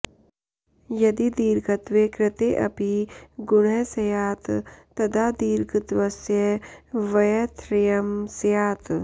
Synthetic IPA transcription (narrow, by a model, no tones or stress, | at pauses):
jɐd̪id̪iːɾɡɐt̪ʋekɾɪt̪eʔɐ̰piɡʊɽ̃ɛsɐjaːt̪ː | ɐd̪ad̪iːɾɡət̪ʋɐsjəʋɐjɐt̪ɾɪjɐmsjaːt̪